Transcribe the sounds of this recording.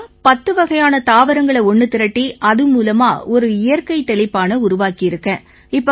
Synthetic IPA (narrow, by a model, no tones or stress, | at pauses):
pɐt̪ːɯʋɐɣɐjaːnɐt̪aːʋɐɾɐŋɡɐɭɐɔɳːɯt̪ːɪɾɐʈːiʔɐðɯmuːlɐma̰ːɔɾɯɪjɐɾkɐɪt̪ːɛɭɪpːaːnɐʊɾʊʋaːkɪjɪɾɯkːɐ̃ | ɪpːo